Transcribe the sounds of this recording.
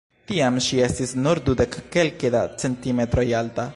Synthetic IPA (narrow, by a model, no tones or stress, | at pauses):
tiamʃie̞stisnuɾdude̞kːe̞lkedat͡se̞ntime̞t̪ɾo̞jalta